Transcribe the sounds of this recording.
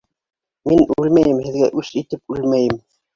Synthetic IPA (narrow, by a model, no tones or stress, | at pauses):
minʉlmæjɘmhɘ̆ðɡæʔʉʃit̪ɘp̚ʉlmæjɘm